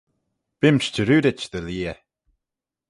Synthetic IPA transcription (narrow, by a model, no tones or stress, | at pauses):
b̥ɪmʃt͡ʃəɾuːɾɪt͡ʃd̪əliːə